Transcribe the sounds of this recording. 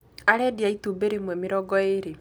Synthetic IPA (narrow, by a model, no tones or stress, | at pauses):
aɾɛdiaitubeɾemwɛmiɾɔɡɔeɾe